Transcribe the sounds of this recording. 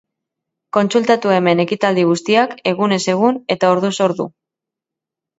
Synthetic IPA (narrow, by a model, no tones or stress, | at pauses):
ko̞nsult̪at̪ue̞me̞ne̞kit̪ald̪iɣ̞ust̪iake̞ɣune̞se̞ɣ̞une̞t̪ao̞ɾðuso̞ɾðṵ